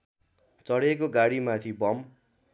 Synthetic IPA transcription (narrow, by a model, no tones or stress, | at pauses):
t͡sʌɽekoɡaɽimat̪ʰibʌm